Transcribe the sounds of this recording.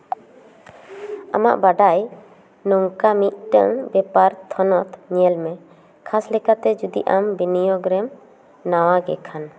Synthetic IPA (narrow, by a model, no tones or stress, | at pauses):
a̰ma̰ʔbaɖaj | nɔŋkamit̪̚ˀʈə̰ŋbɛpaɾt̪ʰɔnɔt̪ʰɲɛlmɛ | kʰaslɛkat̪ɛd͡ʒud̪ḭʔambinijɔɡɾɛm | nawaɡɛ̰kʰan